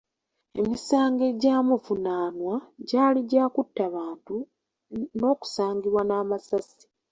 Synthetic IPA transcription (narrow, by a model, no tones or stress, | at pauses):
e̞̰misaːŋɡe̞ɟaːmuvunaːnwaɟaːliɟaːkutːaβaːntu | no̞ːku̥saːŋɡiβwanaːmasasi̥